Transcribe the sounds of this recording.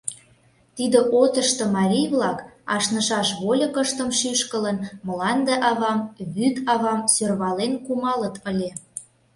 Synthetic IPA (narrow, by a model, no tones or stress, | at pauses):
t̪id̪ə̆ʔot̪əʃt̪ɤ̆mɑɾʲijβlɑkɑ̰ʃnə̆ʃɑʃβolʲɤkəʃt̪əmʃyʃkələnməlɑnd̪eʔɑβɑmβyt̪ɑβɑmsørβɑlenkumɑlət̪əlʲe